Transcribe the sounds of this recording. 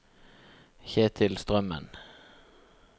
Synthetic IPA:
çeːt̪ʰɪlst̪ʁœmə̰n

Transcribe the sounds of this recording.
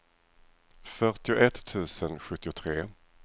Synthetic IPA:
fœɾʈɪʊʔɛt̪ʰːʉ̟ːsənɧɵt̪ːɪʊt̪ʰɾeː

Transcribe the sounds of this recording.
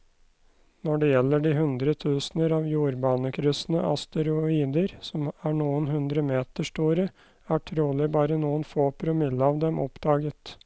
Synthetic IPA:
nɔɖɛjɛlːəɖiɦʉnd̪ɾət̪ʰʉːsnəɾɑːʋjuːɾbɑːnəkʰɾʏsnə̰ʔɑ̰st̪əɾʊiːd̪əɾsɔmæɳuːənhʉnd̪ɾəmeːt̪əʂʈuːɾə | æʈʰɾuːɭɪbɑːɾənuːənfoːpʰɾʊmɪlːəɑʋd̪ɛmʔɔ̰pd̪̥ɑːɡət̪

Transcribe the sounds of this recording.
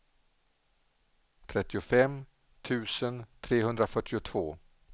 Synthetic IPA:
t̪ʰɾɛt̪ːɪʊfɛm | t̪ʰʉ̟ːsənt̪ʰɾeːɦɵnd̪ɾafœʈːɪʊt̪ʰv̥oː

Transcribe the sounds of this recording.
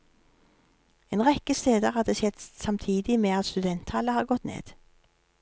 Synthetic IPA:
eːnʁɛkəst̪eːd̪əʁhɑd̪esɛt̪sɑmt̪ʰiːd̪ɪmeːɑt̪st̪ʉd̪ɛnt̪hɑləhɑːʁɡɔt̪nḛːd̪̥

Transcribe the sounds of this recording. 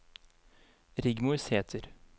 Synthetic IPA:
ɾɪɡmʊsheːt̪ʰəɾ

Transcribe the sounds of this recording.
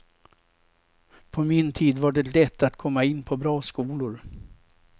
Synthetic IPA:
pʰɔmɪnt̪ʰiːd̪vaɖɛlɛt̪ːat̪kʰɔmːaɪnːpʰɔbɾɑːskuːlʊɾ

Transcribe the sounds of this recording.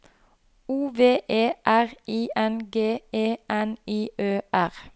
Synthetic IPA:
uːʋeːʔeːʔæʁiːʔɛnɡeːʔeːʔɛniːʔøːʔæʁ

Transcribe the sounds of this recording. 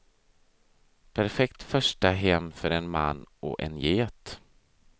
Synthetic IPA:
pʰæɾfɛkt̪fœʂʈaɦɛmːfœɾɛnma̰nːɔ̰ʔɛ̰njeːt̪

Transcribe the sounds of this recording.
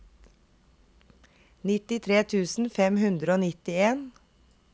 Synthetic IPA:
nɪt̪ɪt̪ʰɾeːt̪ʰʉːsn̩fɛmhʉnd̪ɾəoːnɪt̪ɪeːn

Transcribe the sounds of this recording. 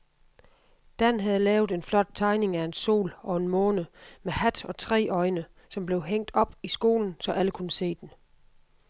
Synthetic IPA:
d̥ænɦæð̩ˠlɛːʊð̩ˠe̝nflɒ̽d̥̚t͡sʰɑ̈ɪne̝ŋæe̝nso̝̰ːlɒ̽e̝nmɔ̽ːnəmehæd̥ɒ̽t͡sʰʁɛ̰ːʔɒ̽ɪnə | sɒ̽mb̥le̝ʊɦeŋ̰d̥ɒ̽b̥isɡ̥o̝̰ːln̩sɒ̽ʔæləkʰunəse̝̰ːd̥en

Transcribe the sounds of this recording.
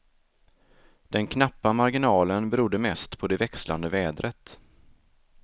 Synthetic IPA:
d̪̥ɛnkʰnapːamaɾɡɪnɑːlənbɛɾud̪ːəmɛst̪pʰɔd̪ɛvɛksla̰nd̪əvɛːd̪ɾʔət̪

